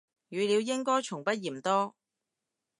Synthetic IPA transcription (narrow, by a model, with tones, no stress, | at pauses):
jyː˨˧liː˨˧wjɪ˥ŋkɔː˥jt͡ʃʰʊ˨˩ŋpɐ˥t̚jiː˨˩mt̪ɔː˥